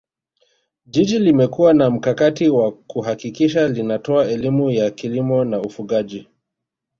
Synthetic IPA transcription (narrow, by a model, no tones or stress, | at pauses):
ʄiʄilimɛkuwanam̩kakatiwakuɦakikiʃalinatɔaɛlimujakilimɔnaufuɠaʄi